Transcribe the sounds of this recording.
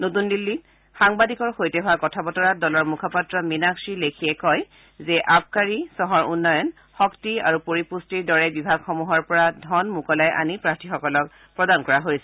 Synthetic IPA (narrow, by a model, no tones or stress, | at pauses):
notundilːi | xaŋbadikɔɹxojtɛɦʊwakɔtʰabɔtɔɹadɔlɔɹmukʰapatɹɔminaksilekʰiɛkɔj | zɛʔap̚ʰkaɹisɔɦɔɹunːɔjɔn | xɔktia̰ɹupoɹipustiɹdɔɹɛbibʱaɡxɔmuɦɔɹpɔɹadʱɔnmukɔlajʔa̰nipɹaktʰixɔkɔlɔk̚ | pɹɔdankɔɹaɦojsɛ